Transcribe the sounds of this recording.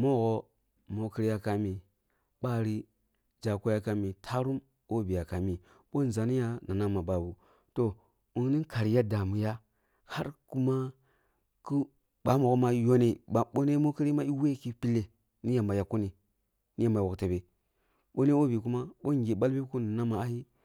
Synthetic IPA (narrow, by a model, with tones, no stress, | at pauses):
mo˦ɣo˦ | mo˨ki˦ɾi˦ja˦ka˨mi˨ | ɓa˦ɾi˦ | d͡ʒa˨ko˦ja˦ka˨mi˨tʰa˦ɾu˦m | o˦bi˨ja˨ka˨mi˨ | ɓo˦n˨za˨ni˦ja˦na˨na˦ma˨ba˨bu˨ | to˨ | u˦n˦ni˦ka˨ɾi˨ja˦da˨mu˨ja˦ | ha˦ɾku˦ma˦ | ku˦ | ɓa˨˦ma˨ku˦ma˦jo˦ne˨ɓo˦ne˦mo˦ki˦ɾi˦ma˦i˦we˦ki˦pi˦lːe˨ | ni˦ja˨mba˨ja˨ko˦ni˨ | ni˦ja˦˨mba˨wo˨kte˨be˨ | ɓo˦ne˦o˦bi˨ku˦ma˦ɓo˦ŋ˦ɡʲe˨ɓa˦lbi˦ku˦na˨na˦ma˨a˦hi˦